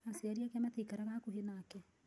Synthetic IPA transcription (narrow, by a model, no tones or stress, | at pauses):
aseaɾiakamatikaɾaɣakoɦenaːkɛ